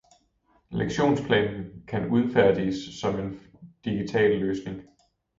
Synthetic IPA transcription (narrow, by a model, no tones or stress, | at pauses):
leɡ̥ɕo̝̰ːnspʰlɛ̰ːnn̩kʰænuð̞ˠfæɐ̰d̥isːɒ̽me̝n | d̥iɡ̥it͡sʰɛ̰ːlːøːsne̝ŋ